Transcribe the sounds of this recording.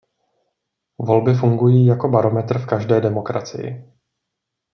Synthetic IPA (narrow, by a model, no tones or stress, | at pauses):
vo̞lbɪfuŋɡujiːjako̞baɾo̞mɛt̪r̩fkaʒdɛːdɛmo̞kɾa̰t͡sɪ̰jɪ̰